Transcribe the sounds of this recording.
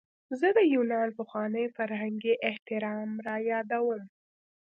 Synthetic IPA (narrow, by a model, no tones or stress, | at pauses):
zəd̪əjunɑnpəxwɑnəjfaɾɦaŋɡiʔɪht̪ɪɾɑmɾɑjɑd̪awəm